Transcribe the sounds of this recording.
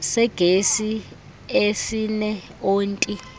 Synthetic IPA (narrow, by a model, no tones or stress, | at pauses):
sɛɡ̥ʱesi | esinɛ | oːntʼi